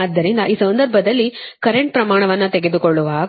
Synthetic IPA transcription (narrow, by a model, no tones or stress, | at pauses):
ɐd̪ːɐɾind̪ɐʔiːsɐnd̪ɐɾbʱɐd̪ɐlːikɐɾeɳʈ̚pɾɐmaːɳɐʋɐnːut̪eɡe̞d̪ukoɭːuʋaː